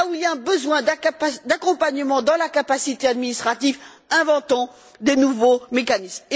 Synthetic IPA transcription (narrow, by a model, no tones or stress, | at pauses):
uilaɛ̃bəzwɛ̃d̪d̪akɔ̃paɲəmɑ̃d̪ɑ̃lakapasit̪ead̪minist̪χat̪iv | ɛ̃vɑ̃t̪ɑ̃ | d̪enuvomekanism